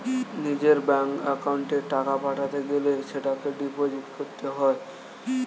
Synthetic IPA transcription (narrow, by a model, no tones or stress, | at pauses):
nid͡ʑeɾbɛŋkɛkauɳʈeʈakapaʈʰat̪eɡeleʃeʈakeɖipod͡ʑiʈkoɾt̪eɦɔe